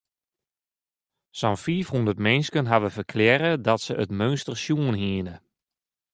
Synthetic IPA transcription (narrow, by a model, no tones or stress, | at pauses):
sɔnfiːfhundərtmɛnskənɦaʋəfərkʰlɛɾədɔtsəʔətmønstərsjuənɦiənə